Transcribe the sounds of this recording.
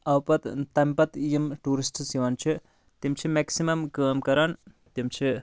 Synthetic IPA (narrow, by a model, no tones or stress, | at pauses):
ɐwpɐt̪t̪ɐmpɐt̪jimʈuːɾisʈsiʋɐnt͡ʃʰi | t̪imt͡ʃʰimeksimɐmkəːmkɐɾaːn | t̪imt͡ʃʰi